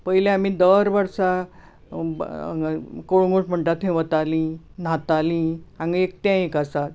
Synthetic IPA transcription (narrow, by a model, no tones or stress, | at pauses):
pəɦilẽam̤id̪əɾʋəɾsa | koɽũɡoʈm̤əɳʈ̪at̪ʰɦẽʋət̪alĩ | n̤at̪alĩãŋɡek̚t̪jãekasat̪̚